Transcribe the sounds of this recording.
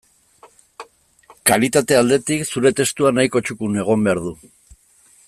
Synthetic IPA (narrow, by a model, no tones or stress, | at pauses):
kalit̪at̪e̞ald̪e̞t̪iksuɾe̞t̪e̞st̪uanajko̞t͡ʃukune̞ɣ̞o̞mbe̞aɾðu